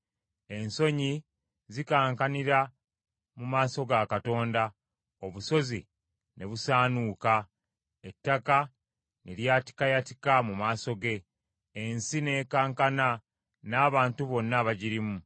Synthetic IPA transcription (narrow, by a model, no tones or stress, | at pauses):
e̞nso̞ɲi | zikaːŋkaniɾa | mumaːso̞ɡakato̞ːnda | o̞βuso̞zi | nʔe̞βusaːnuːka | etːaka | neɾjaːti̥kajati̥kamumaːso̞ɡe̞ː | nsine̞ːkaːŋkana | naːβaːntuβo̞nːaβaɟiɾimu